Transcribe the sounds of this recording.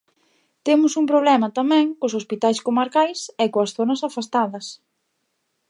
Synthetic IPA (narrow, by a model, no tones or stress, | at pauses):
t̪emʊsumpɾoβlɛmɐt̪amɛ̃ŋkʊsospit̪ajskomaɾkajsɛkoɐsθonɐsafast̪aðɐs